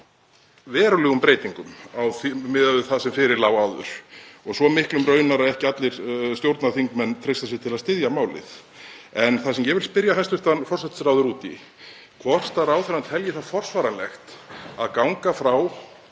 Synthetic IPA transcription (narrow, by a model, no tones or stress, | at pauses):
vɛːɾʏlɛɣʏmpɾeːjt̪iŋkʏmawθimɪðaɪθasɛmfɪɾɪɾlaːwaːwðʏ̰ɾ̥ɔɣsɔmɪhklʏmɾœːɥnaɾaðɛhcɪat̪lɪɾ̥st̪jowɾt̪naθiŋkmɛnːt̪ʰɾejst̪asɪɣt̪ʰɪlaðst̪ɪðjamaːwlɪ̰θ | ɛnθasɛmjɛvɪlspɪɾjaɦajst̪ʏht̪anfɔr̥sɛt̪sɾaːwðʏɾuːt̪ḭ | kʰvɔr̥t̪aɾawθɛɾant̪ʰɛljɪθaðfɔr̥svaːɾanlɛxt̪aðkawŋkafɾaw